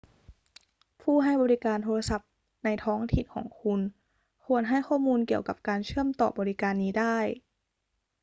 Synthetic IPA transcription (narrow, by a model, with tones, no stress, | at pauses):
pʰuː˥˩ɦa˥˩jbɔː˧li˦˥kaː˧nt̪ʰoː˧la˧sa˨˧˩p̚ | na˧jt̪ʰɔː˦˥ŋt̪ʰi˨˩nkʰɔ̰ː˩˦ŋkʰu˧n | kʰu˧ənɦa˥˩jkʰɔː˥˩muː˧nki˨˩əwka˨˧˩p̚kaː˧nt͡ɕʰɯ˥˩əmt̪ɔː˨˩bɔː˧ɾi˦˥kaː˧nːiː˦˥daː˥˩j